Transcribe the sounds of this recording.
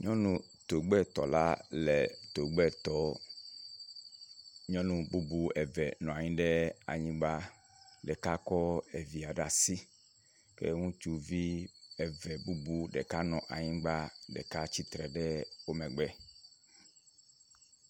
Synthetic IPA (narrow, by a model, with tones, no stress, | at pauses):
ɲɔ̃˦nũ˨ | t̪o˨ɡ͡bɛ˦t̪ɔ˨la̰˦lɛ˨t̪o˨ɡ͡bɛ˦t̪ɔ˦ | ɲɔ̃˦nũ˨bu˦bu˦ɛ˨vɛ˨nɔ̃˨a˨ɲĩ˦ɖɛ˦a̰˨ɲĩ˦ɡ͡ba˦ | ɖɛ˨ka˦kɔ˦e˨vi˨a˨ɖa˨si˦ | kḛ˦ŋũ˦t͡ʃu˦vi˦ɛ˨vɛ˨bu˦bu˦ɖɛ˨ka˦nɔ̃˨ʔa̰˨ɲĩ˦ɡ͡ba˦ɖɛ̰˨ka˦t͡ɕi˦t̪ɾɛ˨ɖɛ˦wo˦mɛ̃˨ɡ͡bɛ˦